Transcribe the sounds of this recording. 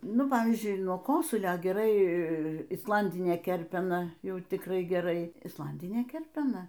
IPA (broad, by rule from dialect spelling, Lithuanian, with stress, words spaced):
ˈnʊ ˈpɑːʋʲiːzʲd͡ʒʲʊɪ nuɔ ˈkoːsʊlʲoː ɡʲɛˈrɐɪ ɪsˈlˠɐnʲdʲɪnʲeː ˈkʲɛrʲpʲɛnɐ ˈjɛʊ tʲɪkˈrɐɪ ɡʲɛˈrɐɪ ɪsˈlˠɐnʲdʲɪnʲeː ˈkʲɛrʲpʲɛnɐ